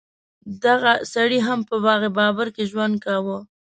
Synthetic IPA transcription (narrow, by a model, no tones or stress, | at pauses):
d̪aɣasaɽiɦampəbɑɣebɑbaɾkeʒwand̪̚kawə